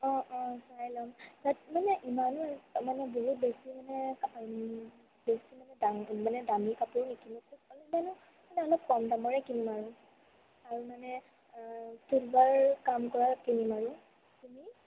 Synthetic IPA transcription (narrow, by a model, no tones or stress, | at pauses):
ɔ̃ʔɔ̃sajlɔŋtatmanɛʔimanamanɛboɦut̚besimanɛ | besimanɛdamanɛdamikapuɹnikinɔkuɔlimanʊ | manɛɔlop̚kɔmdamɔɹɛkinimaɹu | aɹumanɛ | tulbaɹkamkɔɹakinimaɹu | tumi